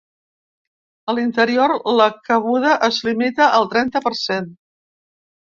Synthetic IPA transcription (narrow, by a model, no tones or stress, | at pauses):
əlint̪əɾioɾləkəɣuð̞əʔəzlimit̪əʔəlˠt̪ɾɛnt̪əpəɾsen